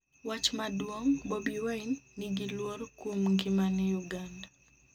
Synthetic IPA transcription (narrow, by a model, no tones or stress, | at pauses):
wat͡ʃmadwoŋbobiwainːɪɡilwoɾkwomŋɡɪmanɛjuɡanda